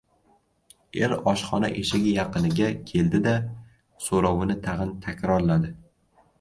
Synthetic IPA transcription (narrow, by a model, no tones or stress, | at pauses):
eɾɒʃχɒna̰ʔeʃɪɡʲɪjɑqɨnɪɡʲakʲʰe̞ld̪ɪd̪a | soɾɒwɪnɪt̪ʰaʁɨnt̪ʰakʲɾɒɾlad̪ɪ